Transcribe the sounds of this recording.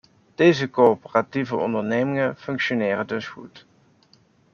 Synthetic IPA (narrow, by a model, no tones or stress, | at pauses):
d̥ejzəkopərativəɔ̰ndəɹnejmɪŋəfɵŋkʃonɪːrədɵsχṵt